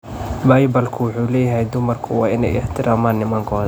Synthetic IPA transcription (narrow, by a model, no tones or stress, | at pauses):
baːjbɐlkʰʊwʊħuːlɛːjɐɦɛjd̪ʊmɐrkʰʊwɑːɪnɛ̰jɪ̰ħt̪ʰɪɾʔaːmaːnːɪmɐŋkʰɔːðɐ